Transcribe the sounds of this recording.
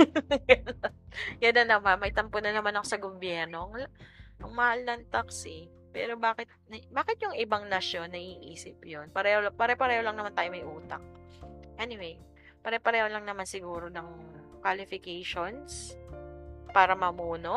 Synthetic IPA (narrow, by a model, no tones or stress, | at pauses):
jɐnːɐnɐmanmɐjt̪ɐmponɐnɐmanɐko̞sɐɡobjɛɾno̞ʔɐŋlʔɐŋmɐhalnɐŋt̪aksi | pɛ̰ːɾo̞baːkɪt̪̚nɐbaːkɪt̪jʊŋɪbaŋnɐʃjo̞nːɐʔiːʔiːsɪpjonpɐɾɛholpɐɾɛpɐɾɛːholɐŋɐmant̪aːjomɐjʔuːt̪ɐ̰k̚ʔɛnɪwej | pɐɾɛpɐɾɛːholɐŋnɐmansɪɡuːɾo̞nɐŋkwalɪfɪkejʃons | paːɾɐmɐmuːno̞